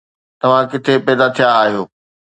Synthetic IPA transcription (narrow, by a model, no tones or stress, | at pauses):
t̪ɐʋ̤ãkɪt̪ʰepɛːd̪at̪ʰijaːɦijoː